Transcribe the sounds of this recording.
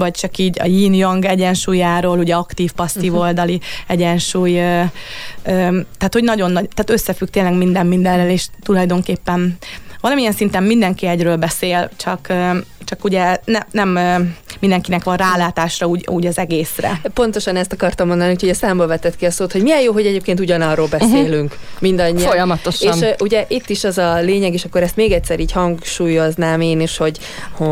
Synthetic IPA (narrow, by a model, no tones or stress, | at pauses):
vɒc̚t͡ʃɒkiːɟɒ̰jiːnjoŋɡɛɟɛnʃuːjaːɾoːluɟɛɒkt̪iːfpɒst̪iːvo̞ld̪ɒliɛɟɛnʃuːjø | øːt̪aːt̪ho̞ɟnɒɟo̞nːɒɟt̪aːt̪ø̞sːɛfyk̚t̪eːnlɛɡmind̪ɛmːind̪ɛrːøleːʃt̪ulɒjd̪o̞ŋkeːpːɛnvɒlɒmiɛnsint̪ɛmːmind̪ɛŋkiɛɟrøːlbɛseːlt͡ʃɒkøt͡ʃɒkuɟɛnɛnɛmmind̪ɛŋkinɛkʋɒnraːlaːt̪aːʃrɒuːɟuːɟɒzɛɡeːsrɛ̰po̞nt̪o̞ʃɒnɛst̪ɒkɒrt̪ɒmːo̞nd̪ɒniuːcʰhoɟɛsaːmbolvɛt̪ːɛt̪kiɒsoːt̪hoɟmijɛjoːɦo̞ɟɛɟeːp̚keːnt̪uɟɒnɒrːoːlbɛsseːlyŋkmind̪ɒɲːifojɒmɒt̪oʃeːnʔuɟɛʔit̪ːiʃɛzɒleːɲɛɡeːʃɒkːo̞ɾɛst̪meːɡɛt̪sɛɾiːchɒŋkʃuːjo̞znaːmeːniʃho̞ɟ | ho